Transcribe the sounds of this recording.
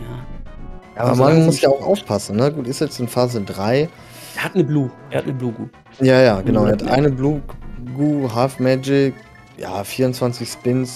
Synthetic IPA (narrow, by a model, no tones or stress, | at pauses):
jaː | jaːʔːbɐmanmʊsjaːaʊxʔa̰ʊfpʰasn̩nəɡuːtɪstjɛt͡stɪnfaːzədʁaɪ | ɛːɐhatnəbluː | ɛːha̰tnəbluːɡṵː | jaːjaːɡənaʊɛːhatʔa̰ɪnəbluːɡuːɦaːfmɛd͡ʒɪk | ja̰ːfiːɐʁʊnt͡sv̥ant͡sɪçspɪns